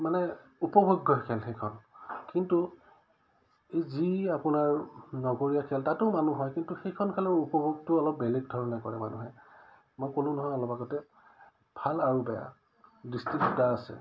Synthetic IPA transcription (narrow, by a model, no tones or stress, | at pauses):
manɛupɔbʱoɡːɔkʰɛlxejkʰɔnkintu | ejziapʊnaɹnɔɡoɹijakʰɛltatʊmanuɦɔjkintuxekʰɔnkʰɛlaɹupɔbʱoɡ̚tʊɔlɔp̚belɛɡ̚dʱɔɹɔnɛkɔɹɛma̰nuɦɛ | mɔjkolʊ̃nɔɦɔjɔlɔpaɡɔtɛ | bʱalaɹubɛja̰ | distɹikutaːsɛ̰